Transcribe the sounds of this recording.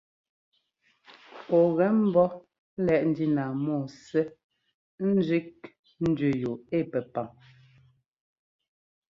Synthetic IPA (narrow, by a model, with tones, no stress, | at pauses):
pɔ˨ɣɛ˨˦m̩˦bɔ˦ | lɛ˨˦ʔn̩˨˦di˦na˨mɔː˦˨sɛ˦ | n̩˦d͡ʒɥi˦k̚ | n̩˦dɥʉ˨jo˨e˦˨pɛ˨pa˨ŋ